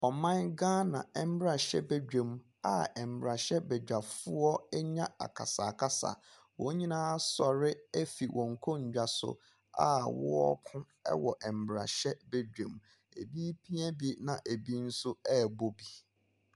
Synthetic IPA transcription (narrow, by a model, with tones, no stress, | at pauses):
ɔ˨mã˦nɡãː˦nã˨ɛ˦˨m̩˦bɾa˨ɕɛ̰˦be˦d͡ʑᶣẽ˨m | a˦ɛ˨m̩˨bɾa˨ɕɛ˦be˨d͡ʑᶣa˨fʊ˦ɔ˦ɲã˦a̰˨kʰa̰˨sa˨kʰa˦sa̰˨ | wɔ̃˨˦ɲĩ˦nãː˦sɔ˨ɾɪ˦ɛ˦fi˨wʔɔ̃˨ŋ̩˨kʰo˦ɲ̩˨d͡ʑᶣa˨sʊ̰˦ | a˦wɔ̰˦ɔ̰˦kʰʊ̃˦ | ɛ̰˦wɔ˨ʔɛ˨m̩˨bɾa̰˨ɕɛ˦be˦d͡ʑᶣẽ˨m | e˨bi˦pʰi˦ɛ˦bi˦nã˨ʔe˨bi˦n̩˦sʊ˦ɛ˦˨bo˦bi˨